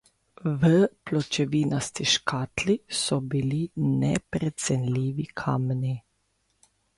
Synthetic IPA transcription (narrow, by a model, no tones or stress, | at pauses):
ʋəplɔt͡ʃɛʋiːnɔst̪iʃkʰaːt̪lisɔbilinɛ̰pɾɛt̪sɛnliːʋikʰaːmni